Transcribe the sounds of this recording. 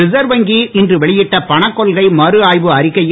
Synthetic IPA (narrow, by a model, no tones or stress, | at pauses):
ɪsɐɾʋɐŋɡiɪndrɯʋɛɭɪjɪʈːɐpɐɳɐkːɔlɣɐɪmɐɾɯaːjʋɯɐɾɪkːɐj